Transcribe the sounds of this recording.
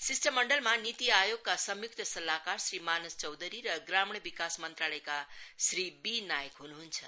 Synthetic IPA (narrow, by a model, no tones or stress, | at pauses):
sisʈʌmːʌɳɖʌlmanit̪iajoɡ̚kasʌmjuk̚t̪ʌsʌlakarsɾimanust͡sʌwd̪ʱəɾiɾʌɡɾamɳʌbikasmʌnt̪ɾaɭʌjkasribinajʌkɦunuɦunt͡sʰʌ